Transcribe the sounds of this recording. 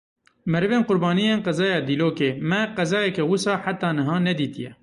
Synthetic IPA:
mɛɾɨveːnqʊɾbɑːnijeːnqɛzɑːjɑːd̪iːloːkeːmɛqɛzɑːjɛkɛwusɑːħat̪ɑːnɨɦɑːnɛd̪iːt̪ijɛ̰

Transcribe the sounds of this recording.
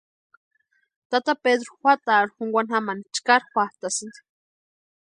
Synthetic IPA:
t̪at̪aped̪ɾoxʷat̪aɾuxuŋɡʷanhamanit͡ʃkaɾxʷat̪asɨnd̪i̥

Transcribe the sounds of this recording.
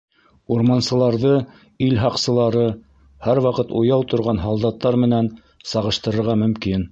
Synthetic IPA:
uɾmɑnsɤ̆lˠɑɾðɤ | ilɦɑqsɤ̆lˠɑɾɤ | hæɾwɑqɤt̪ujɑwt̪ŏɾʁɑnɦɑlˠd̪ɑt̪ːɑɾmɘ̆næn | sɑʁɤ̆ʃt̪ɤ̆ɾɤ̆ɾʁɑmɵ̆mkin

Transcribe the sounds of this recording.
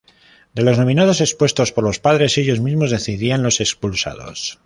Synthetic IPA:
d̪e̞lo̞zno̞mĩnað̞o̞se̞kspwe̞st̪o̞spo̞ɾlo̞spaðɾe̞se̞ʎo̞zmizmo̞zðe̞θiðianlo̞se̞kspulsa̰ð̞o̞̰s

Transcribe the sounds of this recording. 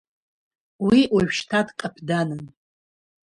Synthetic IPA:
wiwaʒᶣʃtʰadqʼapʰdanɨn

